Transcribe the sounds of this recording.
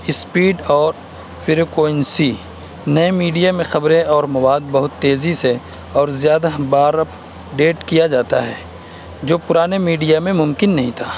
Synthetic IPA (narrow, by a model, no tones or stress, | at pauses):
ɪspiːɖɔːɾ | fɪɾokoːɪnsi | nɐemiːɖijamẽxɐbɾẽɔːɾmɐwaːd̪̚bɐɦʊt̪ːeːzise | ɔːɾzjaːd̪abaːɾəpʰ | ɖeːʈkijad͡ʒaːt̪a̰ɦɛː | d͡ʒoːpʊɾaːnemiːɖijamẽmʊmkɪnːɐɦĩt̪ʰaː